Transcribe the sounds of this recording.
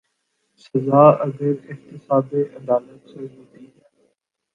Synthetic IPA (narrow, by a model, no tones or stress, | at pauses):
sɐzaːɐɡəɾɪkt̪ɪsaːd̪eːʔɐd̪aːlət̪seɦõːd̪iː